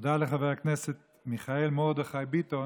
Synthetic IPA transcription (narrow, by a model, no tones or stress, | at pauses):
d̪aleχaveakneset̪̚ | miχaelmod̪eχajbit̪o